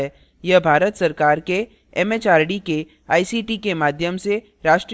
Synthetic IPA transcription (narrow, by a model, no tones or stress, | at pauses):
ɛ | jɐbʱaːɾət̪sɐɾkaːɾke | ɛmeːt͡ʃaːɾɖike | aːisiːʈikemaːd̪ʱjəmse | ɾaːʃʈɾ